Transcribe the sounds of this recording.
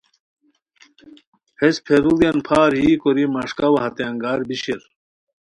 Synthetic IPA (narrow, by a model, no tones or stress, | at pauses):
hespʰeɾulijɐnpʰaːɾɦiːkoɾimɐʂkɐwɐɦɐt̪aŋɡaːɾbiɕiɾ